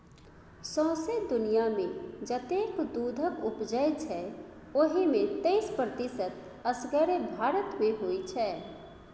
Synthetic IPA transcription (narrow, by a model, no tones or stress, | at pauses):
sɔ̃ɦsed̪unijamed͡ʒət̪ekd̪ud̪ʱəkupd͡ʒəjt͡ʃʰɛ | oɦimet̪eɪspɾət̪isət̪ | əsɡəɾebʱaɾət̪meɦojt͡ʃʰɛ